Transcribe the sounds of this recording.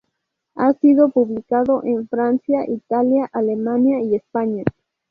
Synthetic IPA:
asiðopuβlikaðoʔeɱfɾansjaʔit̪aljaʔalemanjaiespaɲa

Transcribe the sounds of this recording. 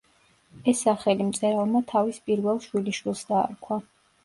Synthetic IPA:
ɛsːaχɛlimt̪sʼɛɾalˠmat̪ʰavispʼiɾvɛlˠʃwiliʃwilˠsd̪a̰ːɾkʰwa

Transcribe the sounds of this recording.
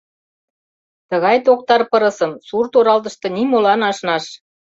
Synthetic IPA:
t̪ə̆ɣɑjt̪ok̚t̪ɑrpɤɾɤ̆səmsurt̪oɾɑlt̪̬ə̆ʃt̪ɤ̆nimolɑnɑʃnɑʃ

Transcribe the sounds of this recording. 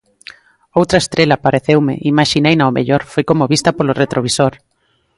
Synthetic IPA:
owt̪ɾɐest̪ɾelapaɾeθewmḛʔimaʃinejnaomḛʎoɾfojkomoβist̪ɐpoloret̪ɾoβ̞isoɾ

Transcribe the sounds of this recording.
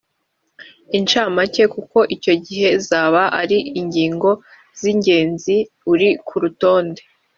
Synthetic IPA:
int͡ʃaːmace̞kuko̞ʔico̞ɟiɦe̞zaːβaʔaɾiiɲɟiːŋɡo̞ | z̥iɲɟe̞ːnzi | uɾikʰuɾuto̞ːnde

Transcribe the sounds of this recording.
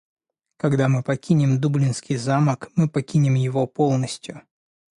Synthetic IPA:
kɐɡd̪amɨpɐkʲinʲɪmd̪ublʲɪnskʲijzaməkmɨpɐkʲinʲɪmjɪvopolˠnəsʲtʲjʊ

